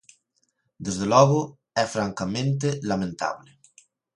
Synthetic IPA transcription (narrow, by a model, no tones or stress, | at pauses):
d̪ezðelɔɣʊ | ɛfɾaŋkamẽnt̪̬elamẽnt̪a̰βlɪ